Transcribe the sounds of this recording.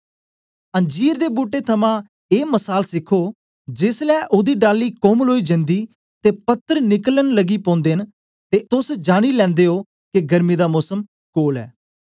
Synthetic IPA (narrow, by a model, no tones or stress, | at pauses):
ə̃ɲd͡ʒiːɾd̪eːbuːʈːeːt̪ʰəmãː | eːməsaːlsɪkʰoː | d͡ʒɪslɛːʔʊd̪iːɖaːliːkomloːiːd͡ʒɪ̃nd̪iː | t̪eːpət̪ːəɾnɪkələnləɡiːpɔ̃ːnd̪eːn | t̪eːt̪ʊsd͡ʒaːɽ̃iːlɛ̃ːnd̪eːɦoː | keɡəɾmiːd̪aːmʊsəm | koːlɛ̰ː